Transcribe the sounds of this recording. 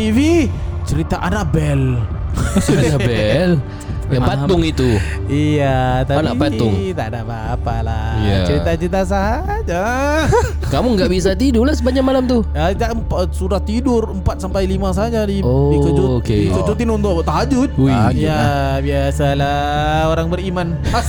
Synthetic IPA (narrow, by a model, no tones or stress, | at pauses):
t̪ivi | t͡ʃəɾit̪aʔanaʔbɛl | ɾiabɛl | jaŋpaʊŋit̪uijat̪aanapait̪ʊŋt̪aʔdapaːpala̰jat͡ʃəɾit̪at͡ʃəɾit̪as̬aɦaːd͡ʒa | kamʊŋɡaʔbis̬at̪idʊlahsəbaɲak̚malamt̪ʊjad͡ʒampsuɾat̪ːidʊrəmpat̪̚sampajlimas̬ad͡ʒadioit͡ʃut͡ʃukeit͡ʃut͡ʃut̪ɪnunt̪ʊʔt̪ad͡ʒʊt̪̚ujjabiasala | oɾaŋbəɾiman